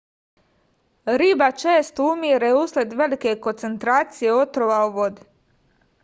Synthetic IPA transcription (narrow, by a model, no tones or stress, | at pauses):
ɾiːbat͡ʃeːst̪umiːɾeuːsled̪ʋe̞like̞ko̞nt̪se̞nt̪ɾaːt̪sijeo̞t̪ɾoʋaoʋo̞d̪i